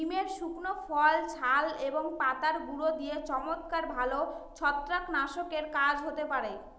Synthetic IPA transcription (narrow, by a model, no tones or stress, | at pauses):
imeɾʃuknofʰɔlt͡ɕʰaleboŋpat̪aɾɡuɽod̪ijet͡ɕɔmot̪kaɾbʱalot͡ɕʰɔt̪ːɾaknaʃokeɾkad͡ʑʱɦot̪epaɾe